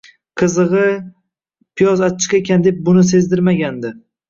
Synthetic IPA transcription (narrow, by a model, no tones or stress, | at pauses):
qʰɨzɨʁɨ | pʰɪjɒzaɪ̥qekʲand̪ep̚bʊnɪs̬e̞zd̪ɪɾmaɡʲand̪ɪ